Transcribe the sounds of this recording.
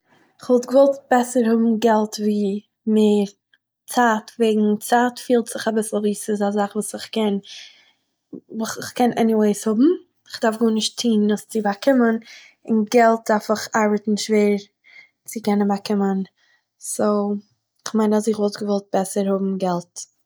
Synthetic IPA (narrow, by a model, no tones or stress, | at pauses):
ɪχvɔlˠtɡəvɔlˠtbɛsəɾhʊbm̩ɡɛlˠtviː | meːɾ | t͡saːtveːɡŋ̩t͡saːtfiːlˠtz̥ɪχabɪsl̩ˠviːsɪzazaχvuːsɪχkɛn | vusɪχkɛnʔɛniweɪshʊbm̩ | ɪχd̥aɾfɡuːnɪʃtʰiːnnʊst͡sɪbakʰɪmən | ɪnɡɛlˠt̚d̥aɾfɪχaɾbətn̩ʃveːɾ | t͡sɪkɛnənbakɪmən | soː | ɪχmaɪnazɪχvɔlˠtɡəvɔlˠt̚b̥ɛsəɾhʊbm̩ɡɛlˠt